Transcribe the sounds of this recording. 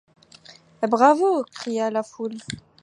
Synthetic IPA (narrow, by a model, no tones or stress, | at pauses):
bʁavokχijalaful